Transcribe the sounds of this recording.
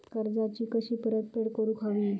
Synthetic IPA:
kəɾd͡zat͡ɕiːkəɕiːpəɾət̪̚peɽkəɾũːkʰaʋiː

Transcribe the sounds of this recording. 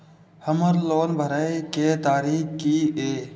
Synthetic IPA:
həməɾloːnbʱəɾaːiket̪aːɾiːkkieː

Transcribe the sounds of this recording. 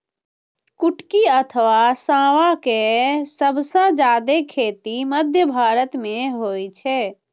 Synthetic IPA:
kuʈkiət̪ʰʋasãʋakesəbʱsə̃d͡ʒad̪ekʰet̪iməd̪ʱjəbʱaɾət̪meɦojt͡ʃʰɛ

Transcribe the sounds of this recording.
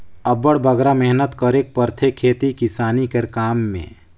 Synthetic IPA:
əbəɽbəɡɾamɛɦnət̪kəɾek̚pəɾt̪ʰekʰːeːt̪ikɪsaːnikeɾkaːmːḛ̃ː

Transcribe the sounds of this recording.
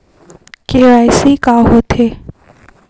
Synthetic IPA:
keaːjsikaːɦot̪ʰeː

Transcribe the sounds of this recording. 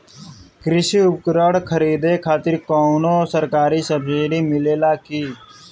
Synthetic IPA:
kɾɪsiːʊp̚kɾəɽkʰəɾiːd̪eːkʰaːt̪ɪɾkoːnoːsəɾkaːɾiːsəbsɪɖiːmɪleːlaːkiː

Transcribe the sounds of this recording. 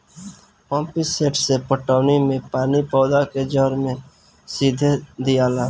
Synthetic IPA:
pɔ̃ːmpɪseːʈsepəʈaːnimẽpaːnipɔːd̪aked͡ʒɔɾmẽ | siːd̪ʱed̪ijaːlaː

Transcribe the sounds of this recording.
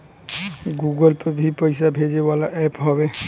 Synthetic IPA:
ɡuɡɔlpebʱipɔjsabʱed͡ʒebalaʔɛpɦɔbɛ

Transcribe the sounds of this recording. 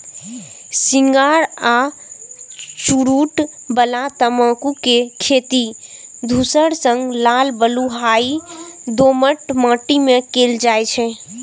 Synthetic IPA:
siŋɡaɾa | t͡ʃuɾuʈbəlat̪əmãkukekʰet̪id̪ʱusəɽsəŋɡlalbəluɦaid̪oməʈmãːʈimekeld͡ʒajt͡ʃʰɛ̃

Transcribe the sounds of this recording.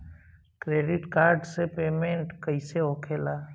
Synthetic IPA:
kɾeːɖɪʈkaːɾɖsepeːmẽɳʈkəɪseoːkʰeːla

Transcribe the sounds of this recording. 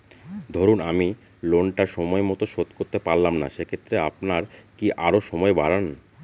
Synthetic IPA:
d̪ʱoɾunami | lonʈaɾʃɔmɔemɔt̪oʃot̪koɾt̪epaɾlamna̰ʃekʰet̪ːɾeapnaɾkiʔaɾoʃɔmɔebaɾan

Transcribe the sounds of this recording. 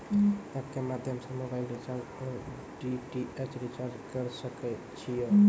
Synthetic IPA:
apkemad̪ʱjəmsə̃mobailɾit͡ʃaɾ | ɖiʈiet͡ʃɾit͡ʃaɾd͡ʒkəɾsəkɛ | t͡ʃʰijə

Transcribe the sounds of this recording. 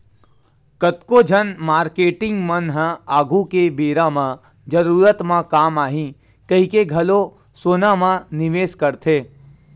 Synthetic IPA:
kət̪kod͡ʒʱənmaːɾkeːʈɪ̃ŋɡmənɦãaːɡʱukebeːɾãmã | d͡ʒəɾuːɾət̪mãkaːmaːɦĩ | kɐɦikeɡʱɐlo | soːnamãnɪʋeːskəɾt̪ʰeː

